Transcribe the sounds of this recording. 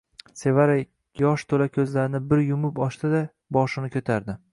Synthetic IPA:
se̞vaɾaj | jɒʃt̪ʰolakʲʰɵzlaɾɪnɪbɪɾjʊmʊpɒʃt̪ɪd̪a | bɒʃɪnɪkʲʰɵt̪ʰaɾd̪ɪ

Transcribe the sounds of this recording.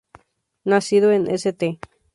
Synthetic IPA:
nãsiðoenʔḛ̃set̪e

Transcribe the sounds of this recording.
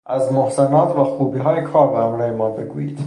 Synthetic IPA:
ʔæzmohsenɒːt̪ʰvæxuːbiːɦɒːjekʰɒːɾbehæmɾæːjemɒːbḛɡuːjḭːd̪̥

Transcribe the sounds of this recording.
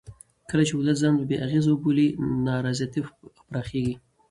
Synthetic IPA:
kəlat͡ʃeʊlat̪zɑnbəbeʔaɣezawəbolinɑɾɑzijat̪ipɾɑxeɡi

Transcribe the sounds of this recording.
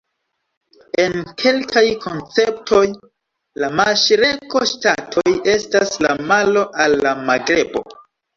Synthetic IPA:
e̞nkʰe̞lkʰajkʰo̞nt͡se̞ptʰo̞j | lamaʃɾe̞ko̞ʃtatʰo̞je̞stasla̰malo̞ʔalːamaɡɾe̞bo̞̰

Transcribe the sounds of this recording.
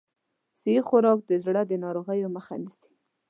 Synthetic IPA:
sixʊɾɑk̚d̪əzɽad̪ənɑɾoɣəjoməxa̰nisi̥

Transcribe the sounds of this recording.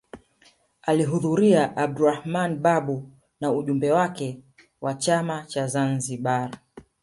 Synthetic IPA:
aliɦuðuɾiaʔab̚duɾahmanɓaɓu | nauʄumbɛwakɛ | wat͡ʃamat͡ʃazanziɓaɾa

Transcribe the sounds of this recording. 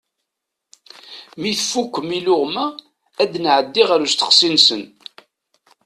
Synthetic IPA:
miθfukʷːəmilʊʁmæ | æd̪nʕəd̪ːiʁæɾust̪ə̥qsinsən

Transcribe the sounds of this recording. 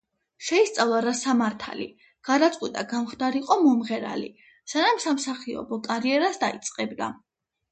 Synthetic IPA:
ʃɛist̪sʼavlˠaɾasamaɾt̪ʰa̰lḭ | ɡ̥ad̪at̪sʼqʼwit̪ʼaɡamχd̪aɾiqʼɔmɔmʁɛɾa̰lḭ | sanamsamsaχiɔ̰bɔkʼaɾiɛɾasd̪ait̪sʼqʼɛbd̪a

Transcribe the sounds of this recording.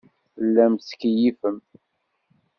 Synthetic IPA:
θəlːæmskjifəm

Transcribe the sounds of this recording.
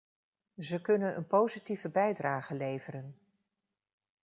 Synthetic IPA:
zəkɵnənʔə̰npowzitivəbɛjdraːχəlejvəɾən

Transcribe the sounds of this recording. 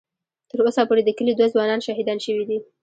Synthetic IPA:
t̪əɾosapoɾed̪əkəlid̪wazwɑnɑnʃɑɦid̪ɑnʃəwid̪i

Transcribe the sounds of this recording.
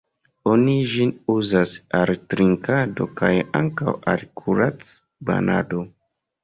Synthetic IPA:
oniʒinuzasaltɾiŋkado̞̰kajaŋkawa̰lkʰuɾat͡s | ba̰na̰do

